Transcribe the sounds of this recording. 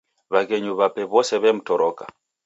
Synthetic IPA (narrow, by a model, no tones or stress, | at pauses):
βakɛɲuβapɛβɔsɛβɛm̩tɔɾɔka̰